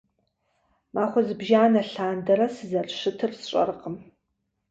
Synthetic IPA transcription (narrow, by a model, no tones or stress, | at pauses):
mʔaːχʷɔzɨbʒaːnɐɬaːndɐɾɐsɨzɐrʂɨtʰɨrsɕʷʼɐ̰rəqəm